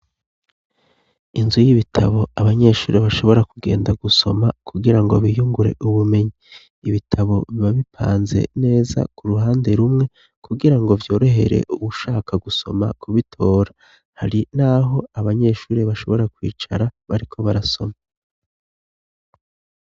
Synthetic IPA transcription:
inzujiβitʰaβo̞aβaɲe̞ːʃuːɾeβaʃo̞βo̞ɾakuɡe̞ːndaɡuso̞makuɡiɾaŋɡo̞̰βijuŋɡuɾe̞̰ʔuβume̞ɲiː | βitʰaβo̞βiβaβipʰa̰ːnze̞̰ne̞ːza̰kuɾuɦaːnde̞ɾumŋe̞ | kʰuɡiɾaŋɡo̞vjo̞ːɾo̞ɦe̞̰ɾe̞̰ʔuβuʃaːkʰaɡuso̞̰ma̰kuβitʰo̞ːɾa | haɾinaɦo̞aβaɲe̞ːʃuːɾeβaʃo̞βo̞ɾakwḭːt͡ʃa̰ɾaβaɾikʰo̞βaɾaso̞ma

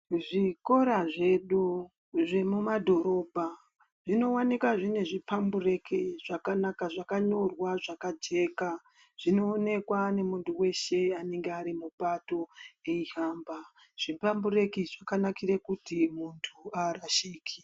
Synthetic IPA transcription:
ʐiko̞ɾaʐe̞ɗu | ʐe̞mumadʱo̞ɾo̞bʱa | ʐino̞wanikaʐine̞ʐipambure̞kiʐakanakaʐakaɲo̞rwaʐakad͡ʒe̞ka | ʐ̥ino̞ːne̞kwane̞muntuwe̞ʃe̞ane̞ŋɡeaɾimupato̞eiɦaːmba | ʐ̥ipambuɾe̞kiʐakanakiɾekutimuntʰuaraʃiːkʰi̥

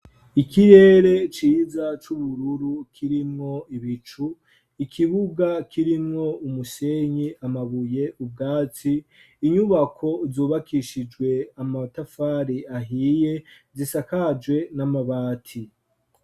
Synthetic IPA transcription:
ikiɾe̞ːɾe̞t͡ʃiːzat͡ʃuβuɾuɾukʰiɾimŋo̞iβit͡ʃu | ikʰiβuɡakʰiɾimŋo̞umuse̞ɲiʔamaβuje̞ʔub̚ɡaːt͡siː | ɲuβakʰo̞zuːβakʰiʃid͡ʒɡwe̞amatafaːɾiaɦiːje̞ | zisakad͡ʒwe̞namaβaːtʰi

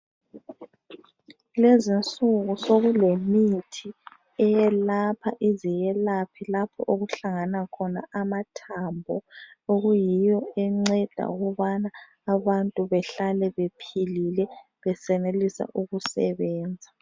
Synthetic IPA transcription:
lezint͡sʼuɣusoɣulemitʰi | ɛjɛlapʰa̰ʔizijɛlapʰilapʰɔ̰ʔoɣuɬaŋanakʰɔna̰amatʰambʱɔoɣujijɔɛŋ͡ǀɛd̥ʱa̰uɣɔβanaː | βantʼuβɛɬalɛβepʰililɛ | βɛsɛnelisa̰ʔuɣusɛ̰βɛːnd͡zʱa

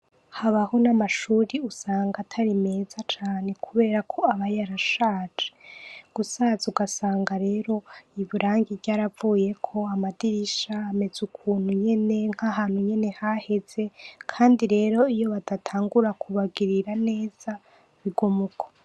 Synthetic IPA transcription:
haβaho̞namaʃuːɾiusaːŋɡatʰaɾime̞ːzat͡ʃaːne̞kʰuβeːɾakʰo̞aβajaɾaʃaːd͡ʒeɡ̥usazuɡasaːŋɡaɾe̞ːɾo̞iβuɾʔaːŋɡiɾɟaːɾavuːje̞kʰo̞amadiɾiʃaːme̞z̥ukʰuːnhuɲe̞ne̞ŋ̥haɦaːn̥huɲe̞ne̞hahe̞z̥e̞kʰaːndiɾe̞ːɾo̞ijo̞βadatʰaːŋɡuɾakʰuβaɡiɾiɾane̞ːz̥a | βiɡomukʰḁ

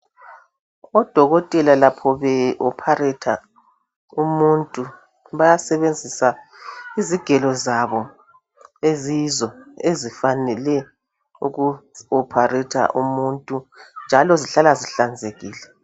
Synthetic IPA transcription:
ɔd̥ʱɔɣɔtʼɛlalapʰɔβɛʔɔpʰarɛtʰa | umuntʼu | βajasɛβend͡zʱisaiziɡ̥ʱɛlɔzaβɔ | ezizɔezifanɛlɛ | ṵɣuɔpʰarɛtʰa̰ʔumuntʼund͡ʒʱalɔziɬalaziɬand͡zʱeɣiːlɛ

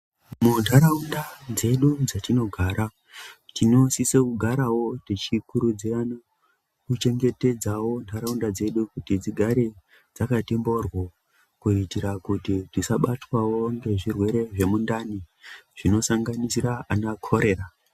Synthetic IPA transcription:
mundʰʱaɾaundad͡ze̞ɗud͡zatino̞ɡʱaːɾa | tino̞sisekuɡʱaɾawo̞tit͡ʃikuɾud͡zirana | kut͡ʃe̞ŋɡe̞te̞d͡zawo̞ndʱaɾaundad͡ze̞ɗukutid͡ziɡʱaɾe | d͡zakatembo̞rwo | kuitiɾakutitisaɓatwawo̞ŋɡe̞ʐirwe̞ɾe̞ʐe̞mundani | ʐ̥ino̞saŋɡanisiraʔanakʰo̞ɾe̞ːra

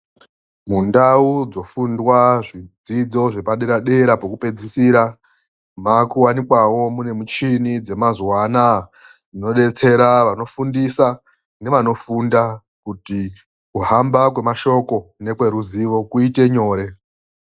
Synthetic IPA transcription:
mundaud͡zo̞fundwaʐid͡zid͡zo̞ʐe̞paɗeɾaɗe̞ɾapokupe̞d͡zisiɾa | makuwanikwawo̞mune̞mut͡ʃinid͡ze̞mazwana | d͡zino̞ɗe̞t͡se̞ɾaʋano̞fundisa | ne̞ʋano̞funda | kuti | kuɦambakwe̞maʃo̞ko̞ne̞kwe̞ɾuziʋo̞kuite̞ɲo̞ːɾe̞

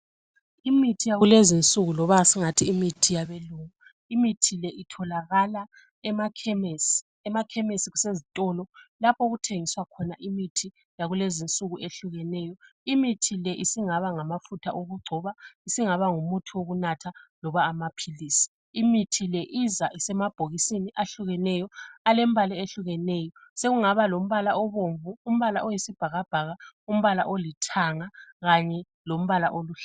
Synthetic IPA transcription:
imitʰijaulezint͡sʼuɣulɔβasiŋatʰiːmitʰijaβeluːŋu | imitʰilɛʔitʰɔlaɣala | ɛmakʰɛmesi̥ | ɛmakʰɛmesiɣusezitʼɔlɔlapʰoɣutʰeŋiswakʰɔnaʔimitʰi | jaɣulezint͡sʼuɣuʔeɬuɣɛnɛːjɔimitʰilɛʔisiŋaβaŋamafutʰaʔoɣuɡ͡ǀʱɔβaisiŋaβaŋumutʰiwoɣunatʰalɔβaːmapʰiliːsi̥ː | mitʰilɛʔizaʔisɛmab̥ʱoɣisiniʔaɬuɣɛnɛjɔalem̩bʱalɛeɬuɣɛnɛːjɔseɣuŋaβalom̩βalaɔβoɱvuːm̩βalaʔojisib̥ʱaɣab̥ʱaɣaum̩βalaʔolitʰaŋaɣaɲɛ | lom̩βalaʔoluːɬ

